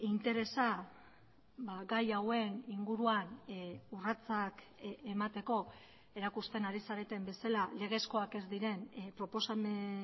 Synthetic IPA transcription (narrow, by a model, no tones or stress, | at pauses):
int̪e̞ɾe̞sa | baɡajawe̞niŋɡuɾuanurat͡sak | emat̪e̞ko̞ | e̞ɾakust̪e̞naɾisaɾe̞t̪e̞mbe̞salale̞ɣ̞e̞sko̞ake̞zd̪iɾe̞npɾo̞po̞same